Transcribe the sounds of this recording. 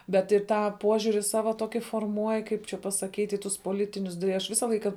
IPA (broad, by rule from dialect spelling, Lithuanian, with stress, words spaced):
bʲɛt ɪ ˈtɑː ˈpoːʒʲʊrʲɪ ˈsɑːʋɐ ˈtoːkʲɪ foːrˈmuɔj ˈkɐɪp t͡ʃʲɛ pɐsɐˈkʲiːtʲ ɪ ˈtʊs poːˈlʲɪtʲɪnʲʊs tɐɪ ˈɐʃ ˈʋʲɪsɐ ˈlˠɐɪkɐ